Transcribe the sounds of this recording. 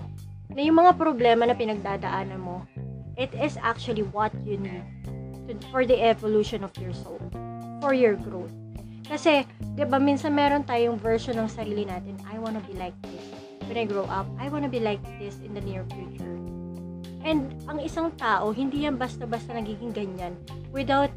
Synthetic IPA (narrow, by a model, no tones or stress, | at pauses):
nɐjʊŋmɐŋapɾoblɛːmɐnɐpɪnɐɡ̚d̪aːd̪ɐʔaːnɐnmo̞ʔɪt̪ɪsa̰k̚t͡ʃuɐliwɐt̪̚junid̪̚t̪ʊfɔɹðiʔɛvoluːʃonɔvjɔɹsolfɔɹjɔɹɡɹoθ | kɐsɛd̪ɪbaminsɐnmɛːɾont̪aːjoŋvɛɹʃonːɐŋsɐɾiːlɪnaːt̪ɪnɐjwanɐbilajk̚d̪ɪs | wɛ̃nɐjɡɹowʔɐp̚ʔɐjwanɐbilajk̚d̪ɪsɪ̃nd̪ɐniɹfjut͡ʃʊɹ | ʔɛnd̪ʔɐŋɪsaŋt̪aːʔo̞ɦɪ̃nd̪ijɐnbɐst̪ɐbɐst̪ɐnɐɡiːɡɪŋɡɐɲːan | wɪd̪awt̪̚